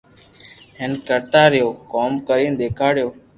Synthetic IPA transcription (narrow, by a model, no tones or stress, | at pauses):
ɦenkəɾt̪aːɾjoːkoːmkəɾĩːnd̪eːkʰaːɽjoː